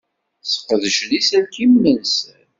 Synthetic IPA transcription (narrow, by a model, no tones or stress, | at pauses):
θə̥qəðəʃlisælkimnənsən